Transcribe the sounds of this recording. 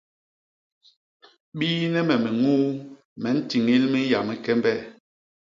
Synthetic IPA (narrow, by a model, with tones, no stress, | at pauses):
ɓiː˦nɛ˦mɛ˨mɛ˨ŋuː˦ | mɛ˨n̩˦ti˨ŋi˦lmi˦ja˨mi˦kɛ˦mbɛ˦˨